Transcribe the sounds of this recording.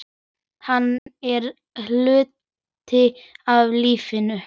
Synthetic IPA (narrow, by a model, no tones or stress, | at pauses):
hanːɛɾ | lʏːt̪ | ɪavliːfɪnʏ